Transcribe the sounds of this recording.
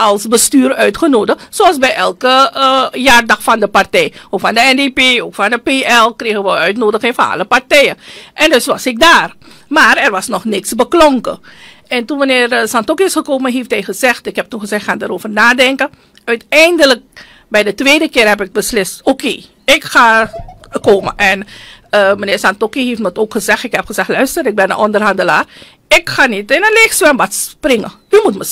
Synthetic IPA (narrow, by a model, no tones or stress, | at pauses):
ɑlˠsbəstyːrœɥtχənoːdəxsoɑlˠsbɛjɛlˠkəjaːrdɑxfɑndəpartɛjokfɑndəɛndepeːokfɑndəpeɛlkreːɣəʋəœɥtnoːdəxɪŋfɑnɑ̰ləpartɛjəʔɛndʏsʋɑsɪk̚daːr | maːrɛrʋɑsnɔxnɪksbəklɔŋkə̰ | ɛntunʋanɪːrəsɑntɔkɪsxəkoːməɦeftɦɛjxəzɛxtɪkɦɛp̚tunxəzɛxaːndaːɾoːvərnaːdɛŋkə | œɥtɛjndələk̚ | bɛjdətʋeːdəkɪːrhɛp̬ɪk̚bəslɪstoːkeː | ɪkxaːkoːmə̰ʔɛn | mənɪːrsantokiheːftmətoːkxəzɛxtɪkhɛpxəzɛxtlœɥstəɾɪk̚bɛnə̰nʔɔndərɦɑndəla̰ːr | ɪkxaːnitɪnənlexsʋɛnbatsprɪŋə̰ | ymutmə